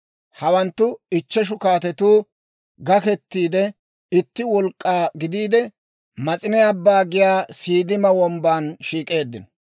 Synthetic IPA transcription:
hɐwɐnt̪ːʊɪt͡ʃːɛʃ̬ʊkaːt̪ɛt̪uː | ɡɐkɛt̪ːiːd̪ɛ | ɪt̪ːɪwɔlkʼːaːɡɪd̪iːd̪ɛ | mɐt͡sʼɪnɛɐbːaːɡɪjaːsiːd̪ɪmɐwɔmbaːnʃiːkʼe̞ːd̪ːɪnɔ

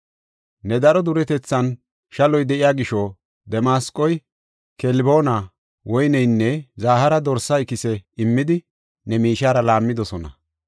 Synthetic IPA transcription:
nɛd̪ɐɾɔd̪ʊɾɛt̪ɛt͡sːɐn | ʃɐlɔjd̪ɛʔɪjaːɡɪʃɔ | d̪ɛmaːskʼːɔj | kɛlbo̞ːna | wɔjnɛjnːɛzaːhɐɾɐd̪ɔɾsɐɪkːɪsɛɪmːɪd̪ɪ | nɛmiːʃaːɾɐlaːmːɪd̪ɔsɔnɐ̰

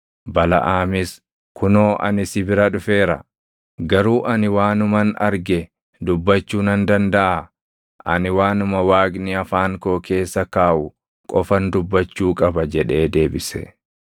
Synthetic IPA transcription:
bɐlɐ̰ʔaːmɪs | kʊnoːʔɐ̰nɪsɪbɪɾɐᶑʊfe̞ːɾɐ̰ | ɡɐɾuːʔɐnɪwaːnʊmɐnɐ̰ɾɡɛ | d̪ʊbːɐt͡ʃːuːnɐnd̪ɐnd̪ɐʔa | ʔɐnɪwaːnʊmɐwaːɡnɪɐfaːŋko̞ːke̞ːsːɐkaːʔʊ | kʼɔfɐnd̪ʊbːɐt͡ʃːuːkʼɐbɐd͡ʒɛᶑe̞ːd̪e̞ːbɪsɛ̰

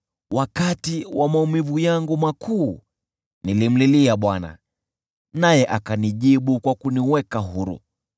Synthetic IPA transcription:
wakatiwamaumivujaŋɡumakʰuː | nilim̩liliaɓwana̰ | najɛʔakaniʄiɓukwakuniwɛkaɦuɾṵ

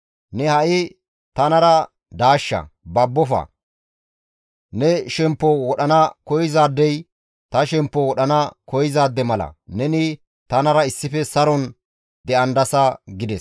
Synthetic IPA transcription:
nɛhɐʔɪ | t̪ɐnɐɾɐ | d̪aːʃːɐ̰bɐbːɔfɐ̰ | nɛʃɛmpːɔwɔɗɐnɐkɔjɪzaːd̪ːɛj | t̪ɐʃɛmpːɔwɔɗɐnɐkɔjɪzaːd̪ːɛmɐlɐ̰nɛnɪ | t̪ɐnɐɾɐɪsːɪfɛsɐɾɔn | d̪ɛʔɐnd̪ɐsɐɡɪd̪ɛs

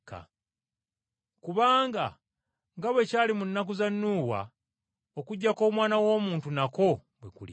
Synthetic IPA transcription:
ka̰ | kuβaːŋɡa | ŋɡaβwe̞caːlimunːak̬uzanːuːwa̰ | okuɟːako̞ːmwaːnawo̞ːmuːntunako̞bwḛkulḭ

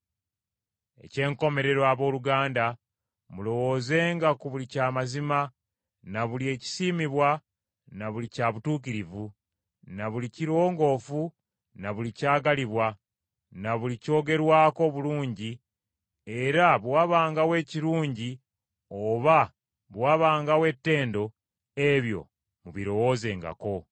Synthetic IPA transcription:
e̞̰ce̞ːŋko̞me̞ɾe̞ɾoaβo̞ːluɡaːnda | mulo̞wo̞ːze̞ːŋɡakuβulicaːmazima | naβulie̞ːci̥siːmiβwa | naβulicaβutuːk̬iɾivu | naβuliciɾo̞ːŋɡo̞ːfu | naβulicaːɡaliβwa | naβulico̞ːɡe̞ɾwaːko̞βuluːɲɟi | e̞ɾaβwaːβaːŋɡawe̞ːciɾuːɲɟi | o̞βa | βwaːβaːŋɡawe̞tːe̞ːndo̞ | e̞βjo̞̰ | muβiɾo̞wo̞ːze̞ːŋɡa̰ko̞

